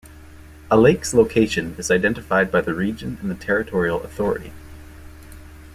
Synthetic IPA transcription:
əleɪksloʊkʰeɪʃɨ̃nɨzaɪdɛ̃ntɨfaɪd̚baɪðɨɹid͡ʒɨ̃nɨ̃n̩ðɨtʰɛɹɨtʰɔɹil̩ˠə̰θɔɹɨ̰ɾḭ

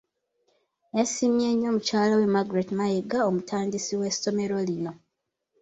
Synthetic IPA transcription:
esimje̞ːɲːo̞mucaːlawemaɡɾetmajeɡaomutʰaːndisiwe̞so̞me̞ɾo̞lino̞

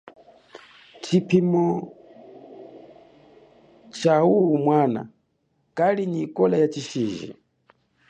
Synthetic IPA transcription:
t͡ʃʰipʰimɔ | t͡ʃaumwana̰ | kʼalinikʼɔlajat͡ʃiʃiːʒḭ

